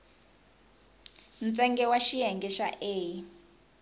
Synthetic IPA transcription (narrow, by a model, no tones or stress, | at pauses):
n̩t͡sɛŋɡɛwaʃijɛŋɡɛʃaʔeːji